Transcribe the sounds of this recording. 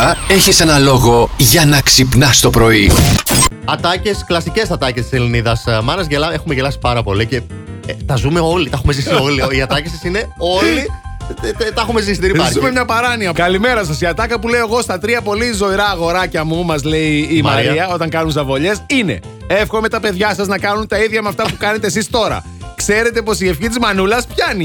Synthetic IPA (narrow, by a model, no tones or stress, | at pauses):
ɐe̞çise̞nɐlo̞ɣo̞ʝɐnɐksipnɐst̪o̞pɾo̞i | ɐt̪ɐce̞sklɐsice̞sɐt̪ɐcest̪i̥seliniðɐsmɐnɐzʝelɐe̞xumeʝelɐsi̥pɐɾɐpo̞lice̞t̪ɐzume̞o̞lit̪ɐxumezisio̞liiɐt̪ɐcesisine̞o̞li | t̪ɐxumezisit̪iiɐzumemɲɐpɐɾɐniɐkɐlime̞ɾɐs̬ɐsiɐt̪ɐkɐpule̞oɣo̞st̪ɐt̪ɾiɐpo̞lizo̞iɾɐːɣo̞ɾɐcɐmumɐzle̞iːmɐɾiɐo̞t̪ɐŋkɐnunzɐvo̞ʎe̞sine̞̰ | e̞fxo̞me̞t̪ɐpe̞ðʝɐsɐznɐkɐnunt̪ɐiðʝɐmɐft̪ɐpukɐne̞t̪es̬ist̪o̞ɾɐ̰ | kse̞ɾe̞t̪e̞po̞sie̞fçit̪izmɐnulɐspçɐni